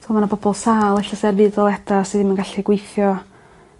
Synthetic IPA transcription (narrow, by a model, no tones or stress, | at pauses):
tʰːmanabɔbɔlˠsaːlˠɛɬasɛrvɨːdɔlˠɛdasɨðɪmənɡaɬiɡwejθjɔ